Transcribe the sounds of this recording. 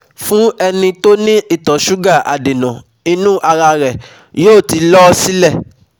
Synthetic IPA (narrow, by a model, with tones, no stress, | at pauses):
fũ˦ɛ˧nĩ˧to˦nĩ˦i˦˨tɔ˨ʃu˦ɡa˦˨ʔa̰˨de˨nã˨ | ĩ˧nũ˦ʔa˧ɾa˧ɾɛ˨ | joː˦˨ti˧lɔ˦si˦lɛ˦˨